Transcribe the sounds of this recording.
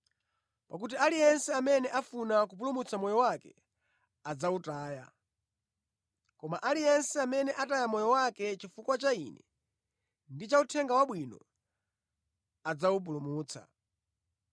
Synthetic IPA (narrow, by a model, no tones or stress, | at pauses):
pak̬ut̬ialijɛnsɛamɛnɛʔafunakup̬ulumut͡sʰamɔjɔwakɛ̰ | ad͡zautaːja̰ | kɔmaʔalijɛnsɛamɛnɛʔatajamɔjɔwakɛt͡ʃifukwat͡ʃaḭnɛ̰ | ndit͡ʃautʰɛŋɡawaɓwinɔ̰ | ad͡zawup̬ulumuːt͡sʰa̰